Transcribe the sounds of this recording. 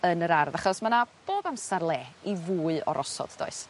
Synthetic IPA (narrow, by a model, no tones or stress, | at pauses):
ənəɾarðaχɔsmanab̥oːðamsarlˠeːivuːɨɔ̰ɾʔɔsɔ̰d̥d̥ɔ̰ɨs